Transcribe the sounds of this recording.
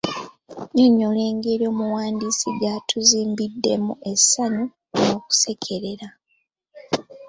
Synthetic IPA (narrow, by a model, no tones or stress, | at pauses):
ɲoɲːole̞ːŋɡeːɾjo̞ːmuwaːndiːsiɡatʰuziːmbidːe̞̰mṵʔe̞saɲu | no̞ːku̥se̞kʰe̞ɾe̞ɾa